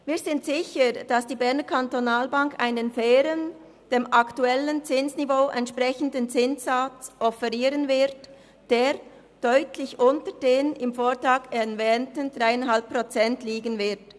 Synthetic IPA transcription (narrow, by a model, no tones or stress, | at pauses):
viːzɪntz̥ɪçəd̥asd̥iːbɛɐnəkʰantonaːlbaŋka̰ɪnənfɛːɾən | d̥eːmʔaktuɛlənt͡sɪnsnivoːʔɛntʃpʁɛçən̩dənt͡sɪnsat͡sʔɔfɛʁiːɾənvɪʁt | d̥eːʁ | d̥œʏtʰlɪçʔʊntəd̥eːnɪmfoːtʁaːkɛvɛːntən̩dʁaɪanɦalppʁot͡sɛntliːɡənvɪt